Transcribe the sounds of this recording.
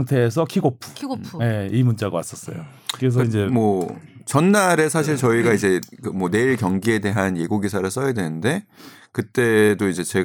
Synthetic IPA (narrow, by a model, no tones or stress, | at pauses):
ŋtʰe̞ːs̬ʰʌkʰiɡopʰu̥je̞imunt͡ɕ͈aɡawas͈ʌs͈ʌ̰jo̰kɯɾes̬ʌind͡ʑe̞mwʌt͡ɕʌnːaɾe̞sʰaɕ̬ʰiɭt͡ɕʌiɡaid͡ʑe̞kɯmwʌne̞iɭkjʌŋɡie̞de̞ɦanje̞ɡoɡisʰaɾɯɭs͈ʌjadwe̞nɯnde̞kɯt͈e̞doid͡ʑe̞t͡ɕe̞ɡ